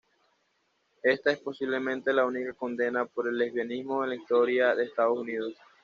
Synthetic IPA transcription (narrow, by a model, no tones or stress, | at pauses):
e̞st̪ae̞spo̞siβle̞mẽ̞nt̪e̞launikako̞nd̪e̞napo̞ɾe̞lːeβjonizmoenlaist̪o̞ɾjaðe̞ːst̪að̞o̞sunið̞o̞s